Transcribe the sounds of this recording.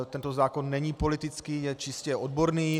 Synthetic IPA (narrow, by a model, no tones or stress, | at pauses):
t̪ɛnt̪ozaːko̞nːɛɲipo̞lɪt̪ɪt͡skiːjɛt͡ʃɪscɛod̪bo̞ɾniː